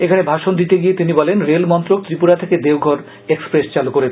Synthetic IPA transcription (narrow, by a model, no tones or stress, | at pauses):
ekʰanebʱaʃond̪it̪eɡiet̪inibɔlenɾelmɔnt̪ɾok̚t̪ɾipuɾat̪ʰeked̪ewɡʱɔɾ | ekspɾest͡ɕalukoɾe